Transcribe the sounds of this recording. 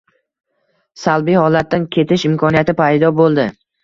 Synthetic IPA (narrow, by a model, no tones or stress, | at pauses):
salˠbijhɒlat̪̚ːankʲʰe̞t̪ʰɪʃɪmkʰɒnijat̪ʰɪpʰajd̪ɒbolˠd̪ɪ